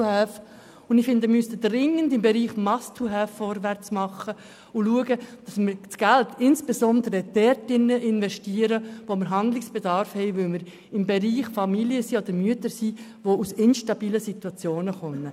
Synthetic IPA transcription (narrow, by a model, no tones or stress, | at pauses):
hɛːf | ʊndɪfɪndəmystədrɪŋːəndɪmbɛɾiːχmɑstʰuɦɛːfːɔɾvæɾt͡smɑχːə | ʊluəɡəd̥ɑsməɾt͡sɡ̥æltɪnsb̥esɔnd̪əɾəd̥ɛɾtɪnːəʔɪnvɛʃtiːəɾəʋoməɾɦɑnd̪lɪksb̥ɛdɑɾfhɛɪʋʏlməɾ | ɪmbɛɾiːχfɑmiljəsiːod̪əɾmyətəɾsiː | ʋousɪnʃtɑb̥iːləsit̪wɑt͡sjoːnəχœmːə